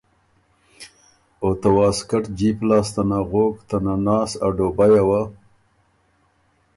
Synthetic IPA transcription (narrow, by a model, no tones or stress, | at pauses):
ot̪awɑskaʈd͡ʒiplɑːst̪anaɣokt̪ananɑːsaɖobajawa